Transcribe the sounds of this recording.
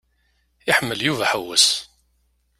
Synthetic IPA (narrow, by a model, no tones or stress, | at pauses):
ɪħəmːəljuvæħəwːəs